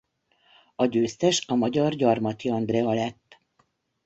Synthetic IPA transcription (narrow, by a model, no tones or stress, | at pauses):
ɒɟøːst̪ɛʃɒmɒɟɒrɟɒrmɒt̪iɒnd̪rɛɒlɛt̪ː